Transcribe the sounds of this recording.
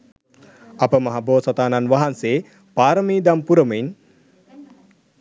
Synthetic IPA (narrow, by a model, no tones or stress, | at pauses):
apəmɐɦaboːsat̪aːnanʋaɦanseː | paːɾəmiːd̪ampuɾəməiɲ